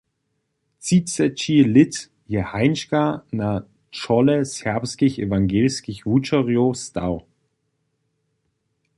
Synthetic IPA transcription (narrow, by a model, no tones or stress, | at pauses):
t͡sit͡sɛt͡ʃilɪt | jehaɪnʃkana | t͡ʃɔləsɛɐpskɪçḛvaŋɡeːlskɪçvut͡ʃəʁiosta̰ʊ